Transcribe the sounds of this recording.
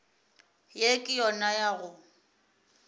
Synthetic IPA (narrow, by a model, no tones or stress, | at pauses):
jekʼɪjɔnajaɣʊ